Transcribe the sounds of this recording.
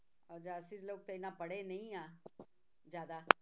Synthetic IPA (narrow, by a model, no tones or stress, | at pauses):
ɔːd͡ʒaːsɪɾloːɡ̚t̪aɪnãːpəɽenəĩãː | d͡ʒjaːd̪aː